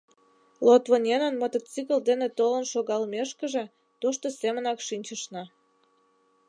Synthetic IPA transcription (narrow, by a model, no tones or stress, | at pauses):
lot̪βonʲenə̆nmət̪ə̆t͡sikəld̪enet̪olənʃoɣɑlmeʃkə̆ʒe̽ | t̪oʃt̪osemə̆nɑkʃinʲt͡ɕə̆ʃnɑ